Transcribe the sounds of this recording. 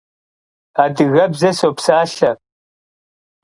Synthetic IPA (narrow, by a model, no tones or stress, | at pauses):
adɨɣɐbzɐsowpʰsaːɬɐ